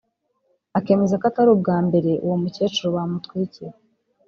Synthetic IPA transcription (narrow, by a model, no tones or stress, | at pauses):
ake̞ːme̞zakataɾub̚ɡaːmbe̞ɾe̞uwomuce̞ːt͡ʃuɾoβamutwiiciɾe